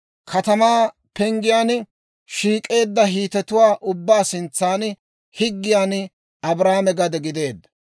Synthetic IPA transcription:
kʰɐt̪ɐmaː | pɛŋɡɪjaːn | ʃiːkʼe̞ːd̪ːɐɦiːt̪ɛt̪ʊwaːʔʊbːaːsɪnt͡sːaːn | hɪɡːɪjaːn | ɐbɾaːmɛɡɐd̪ɛɡɪd̪e̞ːd̪ːɐ

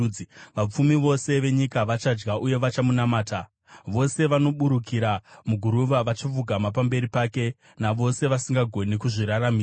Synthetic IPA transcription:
ʋap͡fumiʋo̞se̞ʋe̞ɲikaʋat͡ʃad͡ʒɡaʔuje̞ʋat͡ʃamunamaːta | ʋo̞se̞ʋano̞ɓuɾukʰiɾamuɡʱuɾuʋaʋat͡ʃivuɡʱamap̬ambe̞ɾipaːke̞ | naʋo̞se̞ʋasiŋɡaɡʱo̞nikuʐiɾaɾamiː

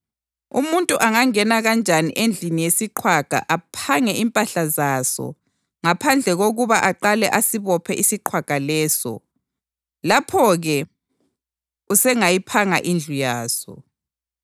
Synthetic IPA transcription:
ṵmuntʼuʔaŋaŋɛnaɣand͡ʒʱaniʔend͡ɮʱinijesiǃʰwaɡ̥ʱa̰ʔapʰaŋɛʔimpʼaɬazasɔ̰ | ŋapʰand͡ɮʱɛɣoɣuβaʔaǃalɛʔasiβɔpʰɛʔisiǃʰwaɡ̥ʱalɛːsɔ̰ | lapʰɔɣɛ | usɛŋajipʰaŋaʔind͡ɮʱujaːsɔ̰

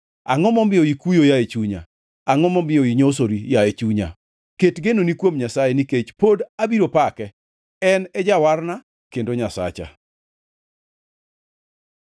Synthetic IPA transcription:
a̰ŋɔmɔmbɪɔikujojaet͡ʃuɲa̰ | aŋɔmɔmbɪɔiɲos̬oɾijaet͡ʃuɲa̰ | ketɡenonikwomɲasajɛniket͡ʃpodabiɾopakɛ | ɛnɛd͡ʒawarna | kendoɲasa̰t͡ʃa̰

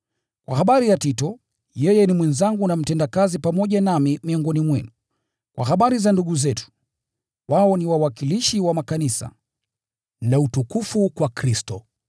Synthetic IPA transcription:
kwa̰haɓaɾijatitɔ | jɛjɛnimwɛnzaŋɡunam̩tɛndakazipamɔʄanamimiɔŋɡɔnimwɛnu | kwa̰haɓaɾizanduɠuzɛtu̥ | waɔniwawakiliʃiwamakanisa̰ | nautukufukwakɾistɔ

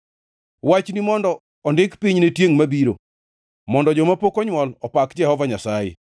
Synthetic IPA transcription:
wat͡ʃnimɔndɔ | ɔndɪkpiɲnetjeŋmabiɾo̰ | mɔndɔd͡ʒɔmapokɔɲwɔlɔpakd͡ʒɛhɔvaɲasajḛ

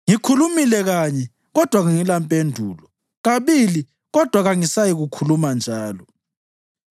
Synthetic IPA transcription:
ŋikʰulumilɛɣaɲɛ | ɣɔd̥ʱwaɣaŋilampʼendʱuːlɔ | ɣaβili | ɣɔd̥ʱwaɣaŋisajiɣukʰulumand͡ʒʱaːlɔ

